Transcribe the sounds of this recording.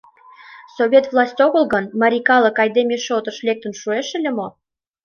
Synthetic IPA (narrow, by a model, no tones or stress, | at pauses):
soβʲet̪vlˠɑsʲtʲoɣəlɣənmɑɾʲikɑlə̆kɑjd̪emʲeʃot̪ə̆ʃlek̚t̪ə̆nʃueʃə̆lʲemo